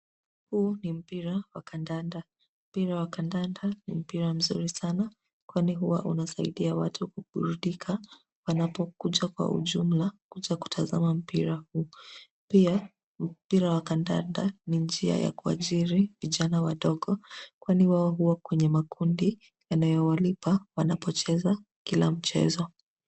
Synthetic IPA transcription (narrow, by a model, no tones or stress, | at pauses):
hunim̩piɾawakandanda | m̩piɾawakandandanḭm̩piɾam̩zṵɾisana | kwaniɦuwa̰ʔunasaiɗiawatʰukuɓṵɾuɗikʰa | wanapɔkuʄakwa̰ʔṵʄum̩lakuʄaku̥tʰazamam̩piɾahuː | pia | m̩piɾawakanda̰nda̰nind͡ʒia̰ja̰kua̰ʄiɾiviʄanawaɗɔɠɔkwaniwaɔɦuwakwɛɲɛmakʰundi | janajɔwalipawanapɔt͡ʃɛzakila̰m̩t͡ʃɛ̰zɔ